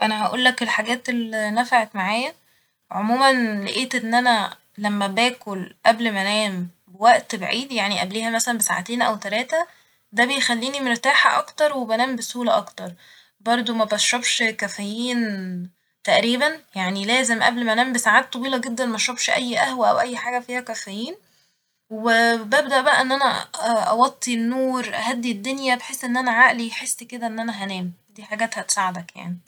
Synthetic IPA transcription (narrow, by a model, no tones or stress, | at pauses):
ʔænæɦæʔṵːlːækelħaɡæːt̪elinæfaʕet̪maʕaːjæ | ʕomuːmænleʔeːt̪ʔenːʔænæ | læmːæbæːkolʔæblmænæːm | bewæʔt̪beʕiːd̪jaʕniʔæbliːhæmæsælænbesa̰ʕa̰t̪eːnʔæwt̪ælæːt̪æ | d̪æbejxælːiːnimeɾt̪aːħæ̰ʔɑkt̪ɑɾˤwebænæːmbesuːlæʔɑkt̪ɑɾˤ | bɑɾˤd̪ˤomæbæʃobʃkæfæjiːn | t̪æʔɾiːbænjaʕnilæːzemʔæ̰blmænæːmbesaʕaːt̪ːˤɑwiːlɑɡed̪ːænmæʃɾɑbʃʔæjːʔæhwæʔæ̰wʔæjːħaːɡæfiːhækæfæjiːn | webæb̚d̪æʔbæʔæ̰ʔenːʔænæ̰ʔɑwɑt̪ˤːinːuːɾʔæ̰ɦæd̪ːid̪ːonjæbeħesːʔenːʔænæʕaʔliħesːked̪æʔenːʔænæɦænæːmd̪iːħaɡæːt̪hæt̪saʕed̪ækja̰ʕni